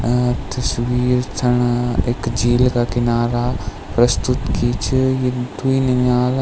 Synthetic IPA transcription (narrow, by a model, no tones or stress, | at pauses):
t̪ɐswiːɾt̪ʰɐɳ̃eːkd͡ʒiːlkakɪnaːɾa | pɾɐst̪ʊt̪kiːt͡ʃʰjed̪uiniɲaːl